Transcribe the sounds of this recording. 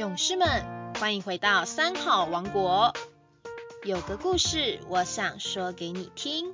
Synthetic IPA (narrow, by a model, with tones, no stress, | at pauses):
jʊ˨˩ŋʂɻ̩˥˩mə˨nxwa˥ni˧˥xwe˧˥ɪt̪ɑ˥˩ʊsa˥nxɑ˥˩ʊwɑ˧˥ŋkwɔ˧˥ | jo˨˩ʊd̪ə˦ku˥˧ʂɻ̩˥˩wʔɔ˧˦ɕjɑ˨˩ŋʂɔ˥ke˧˥ɪni˨˩t̪ʰi˦˥ŋ